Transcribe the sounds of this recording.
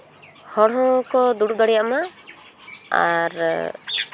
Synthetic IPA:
hɔɽɦɔ̃kɔd̪uɽud̪ɔɽijaʔma | a̰ɾ

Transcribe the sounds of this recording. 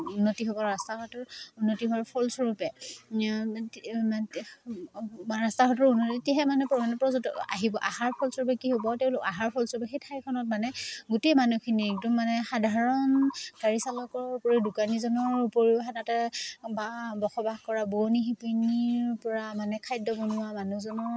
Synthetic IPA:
unːotiɦobɔɹastaɦɔtɔɹunːotiɦaɹpʰɔlsɔɹupɛ | ɹastaɦɔtɔɹunːotitiɦɛmanɛpɔmanɛpɹɔzta̰ɦibɔʔaɦaɹpʰɔlsɔɹp̬ɛkiɦobɔteʊ̃lʊkaɦaɹpʰɔlsɔɹpɛxetʰaɹikʰɔnɔt̚manɛɡutejmanukʰinik̚dɔmːanɛxadʱaɹɔnd̥aɹisalɔkɔupoɹidukanizɔnɔɹupoɹixanatɛbabɔxɔbaxkɔɹabonixipuniɹpɔɹamanɛkʰajdɔbɔnʊwamanuzɔnɔɹ

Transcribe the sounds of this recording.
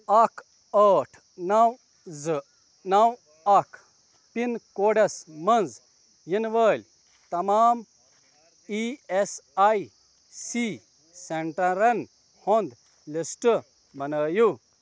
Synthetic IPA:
ɐkʰ | ɐːʈʰ | nɐw | z | nɐw | ɐkʰ | pinkoːɖesmɐnz | jinʋəːlʲ | t̪ɐmaːm | iesaji | si | seɳʈɐ̃ɾɐn | hond̪ | lisʈ | bɐnəːju

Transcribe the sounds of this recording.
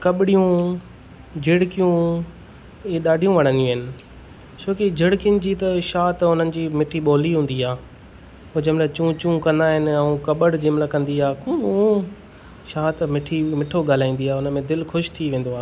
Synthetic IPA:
kɐɓɪɽijũ | d͡ʑɪɽkijũ | ɗaːɖʱijũʋɐɽ̤̃ə̃nijũɦɪnɪ̆ | t͡ɕʰoːkid͡ʑʱɪɽkɪjənɪ̆d͡ʑiːt̪ɐʃaːt̪ʊn̤ənɪ̆d͡ʑiːmɪʈʰiɓoːliɦũːn̆d̪iaː | ʊd͡ʑəmɪlat͡ɕũt͡ɕũːkɐ̃nd̪aːɦɪnɪ̆ɛũkɐɓəɽd͡ʑimlakɐ̃nd̪iaːkũː | ʃaːt̪mɪʈʰimɪʈʰoɠaːl̤aːĩːn̆d̪iaːʊnəmẽd̪ɪlxʰʊʃt̪ʰiʋẽːnd̪oaː

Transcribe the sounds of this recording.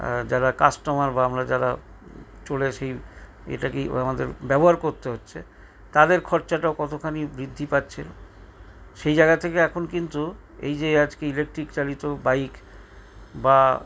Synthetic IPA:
d͡ʑaɾakasʈomaɾbaamɾad͡ʑaɾa̰ | t͡ɕoleʃej | ḛʈakiamad̪eɾbɛboɦaɾkoɾt̪eɦotːɕʰe | t̪ad̪eɾkʰɔɾt͡ɕaʈaokɔt̪ʰokʰanibɾid̪ʱːipatːɕʰel | ʃejd͡ʑajɡat̪ʰekeɛkʰonkint̪u | ḛjd͡ʑead͡ʑkeilek̚ʈɾikt͡ɕalit̪obaik | ba

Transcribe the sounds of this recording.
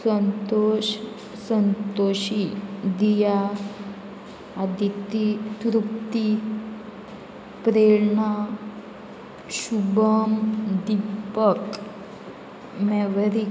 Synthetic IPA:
sənt̪oɕ | sənt̪oɕid̪ija | d̪it̪it̪ɾupt̪i | pɾeɭɳa | ɕubəmd̪ipək | mɛʋəɾi

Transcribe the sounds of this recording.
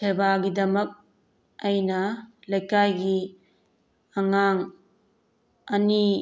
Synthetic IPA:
sebaɡidɐmɐk̚ | ajnɐlɐjkajɡi | aŋaŋ | ɐni

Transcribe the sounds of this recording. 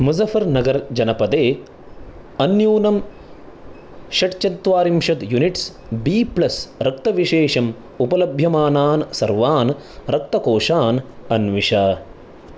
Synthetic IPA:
muzɐfɐɾnɐɡɐɾd͡ʒɐnɐpɐd̪eː | ɐnjuːnɐm | ʃɐʈt͡ʃɐnt̪ʋaːɾimʃɐt̪juniʈs | biːplɐsɾɐk̚t̪ɐʋiʃeːʃɐm | upɐlɐbʱjɐmaːnaːnsɐɾʋaːn | ɾɐk̚t̪ɐkoːʃaːnɐnʋiʃaː

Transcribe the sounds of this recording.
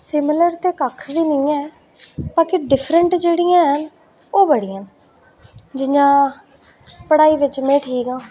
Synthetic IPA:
sɪmɪləɾt̪eːkəkʰʋiːnəĩːɛː | baːkiɖɪpʰɾəɳʈd͡ʒeːɽijãːɦən | oːbəɽijə̃n | d͡ʒɪɲãː | pəɽaːiːʋɪt͡ʃmẽːʈʰiːkãː

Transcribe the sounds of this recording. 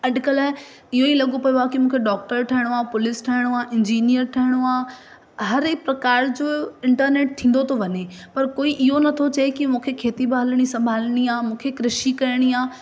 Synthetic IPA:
ɐɖkəlaːɪ | ɪɦoilɐɡopɐjoakimũːkʰeɖɔːk̚ʈəɾʈʰɐɦɪɽ̃oaːpʊlɪsʈʰɐɦɪɽ̃oaːʔɪ̃ɲd͡ʑiːnijəɾʈʰɐɦɪɽ̃oaː | ɦɐɾɪkpɾɐkaːɾd͡ʑoːɪ̃ɳʈəɾneːʈ̚t̪ʰĩːn̆d̪ot̪ʰoʋɐɲepɐɾkoːiʔɪɦonɐt̪ʰot͡ɕɐekimũːkʰekʰeːt̪ibaːlɽ̃isɐ̃mbʱaːlɽ̃iaːmũːkʰekɾɪʃikɐɾɪɽ̃iaː

